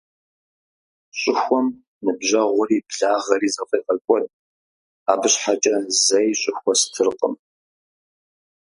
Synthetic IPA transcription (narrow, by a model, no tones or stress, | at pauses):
ɕʼɪxʷɔm | nɨbʑɐʁʷʊriːbɮaːʁɐɾiːzɐqʼiːqʼɐkʷʼɔtʼ | aːbɨɕħat͡ʃʼɐzɐjɕʼʊxʷɔstʰɨrqʼə̰m